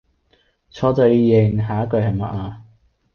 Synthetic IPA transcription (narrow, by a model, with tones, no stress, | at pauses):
t͡sʰɔː˧t͡sœ˨˧ɥjɪ˨˩ŋɦaː˨˦˥kɵ˧ɥɦɐ˨jma̰˨ʔaː˧